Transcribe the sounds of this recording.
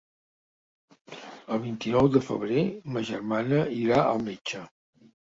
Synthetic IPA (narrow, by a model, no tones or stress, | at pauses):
əlˠβ̞int̪inɔwd̪əfə̰βɾeməʒərmanəiɾaəlˠmet͡ʃə